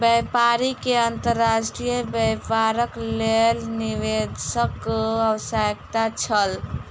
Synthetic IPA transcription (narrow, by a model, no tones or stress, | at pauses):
bəpaɾikeənt̪əɾːasʈɾijəbəpaɾəklelniʋed̪səkəwsajkt̪at͡ʃʰəl